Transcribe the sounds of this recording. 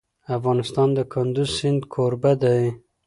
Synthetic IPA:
afɣɑnɪst̪ɑnd̪əkʰʊnd̪uzsɪnd̪kʰoɾbad̪aj

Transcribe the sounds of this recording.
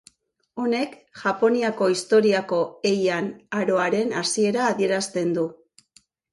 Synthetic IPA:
o̞ne̞kʝapo̞niako̞ist̪o̞ɾiako̞e̞janaɾo̞aɾe̞nasie̞ɾaːðie̞ɾast̪e̞nd̪u

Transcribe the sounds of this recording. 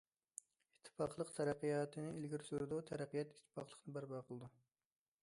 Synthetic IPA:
it̪ʰːɪ̥pɑ̰χlˠəqt̪ʰɛɾæqːijɑːt̪ʰɨnɪilɡʲiɾsyɾd̪ut̪ʰɛɾæqːijɛt̪i̥t̪ʰːɪ̥pɑ̰qlˠə̥qnɨbæɾbɑːqʰəlˠɨd̪u

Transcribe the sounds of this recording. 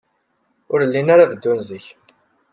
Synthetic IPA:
ʊɾəlːinaɾaðəd̪ːunzəç

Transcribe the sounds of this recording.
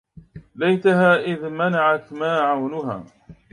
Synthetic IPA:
lajt̪aɦaːʔɪðmanaʕat̪maːʕawnʊɦa̰ː

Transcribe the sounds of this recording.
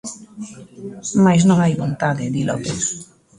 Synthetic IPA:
majz̬nõŋajβont̪aðɪðilɔ̰pes

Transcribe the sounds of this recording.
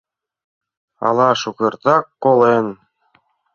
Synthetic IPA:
ɑ̰lˠɑʃukɤ̆ɾt̪ɑkːolˠɤn

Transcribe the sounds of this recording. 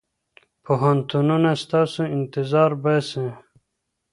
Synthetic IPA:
pʰoɦant̪ununast̪ɑsuɪnt̪ɪzɑːɾbasẽ

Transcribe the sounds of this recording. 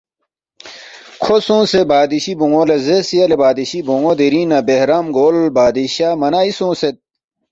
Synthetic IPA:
kʰosõːsebaːd̪iɕiboŋolezesiɐlebaːd̪iɕibõŋod̪iɾiːnɐbehɾamɡoːlbaːd̪iɕamɐnaːisõːset̪̚

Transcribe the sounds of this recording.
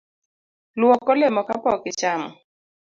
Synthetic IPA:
lwɔkɔlɛmɔkapɔkɪt͡ʃamɔ

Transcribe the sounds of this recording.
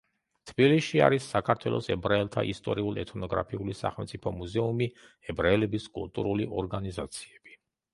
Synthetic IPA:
t̪ʰbiliʃia̰ɾisːakʰaɾt̪ʰwɛlˠɔsɛbɾaɛlˠt̪ʰa̰ʔist̪ʼɔɾiulˠɛt̪ʰnɔɡɾa̰pʰiulisa̰χɛlˠmt̪sʼipʰɔmuzɛumi | ɛbɾaɛlɛbiskʼṵlˠt̪ʼṵɾuliʔɔɾɡanizat̪sʰi̥ɛb̥i̥

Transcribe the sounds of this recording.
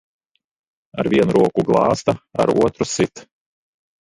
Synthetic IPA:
aɾvʲiɛnuɾuɔkuɡlˠɑːst̪aa̰ɾṵɔt̪ɾusit̪

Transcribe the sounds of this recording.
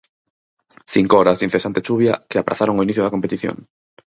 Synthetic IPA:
θiŋkooɾazd̪inθesant̪et͡ʃuβjakeapɾa̰θaɾoŋoiniθjoðakompet̪iθjo̰ŋ

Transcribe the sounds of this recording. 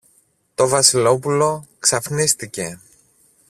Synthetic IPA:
t̪o̞vɐsilo̞pulo̞ksɐfnist̪ice̞

